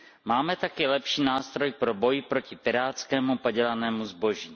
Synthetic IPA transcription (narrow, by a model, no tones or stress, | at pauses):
maːmɛt̪akɪlɛpʃiːnaːst̪ɾo̞jpɾo̞bo̞jɪpɾo̞cɪpɪɾaːt͡skɛːmupoɟɛlanɛːmuzbo̞ʒiː